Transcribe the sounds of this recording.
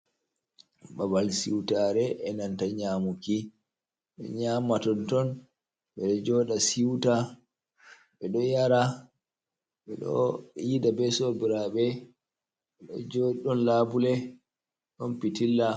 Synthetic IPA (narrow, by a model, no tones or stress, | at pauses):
babalsiwtaɾɛʔɛnantaɲaːmuki | ɓɛ̰ɲamːatɔntɔn | ɓɛɗɔd͡ʒɔːɗasiwta | ɓɛɗɔjaɾa | ɓɛɗɔ̰idabɛsobiɾaɓɛ | ɓɛɗɔ̰d͡ʒɔɗɔnlabulɛ | ɗɔnpitilːa